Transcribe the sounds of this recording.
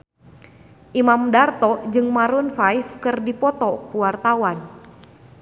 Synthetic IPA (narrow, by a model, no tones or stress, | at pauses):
ʔimamdart̪ɔd͡ʒɨŋmaɾunfajfkɨrdipɔt̪ɔkuwart̪awan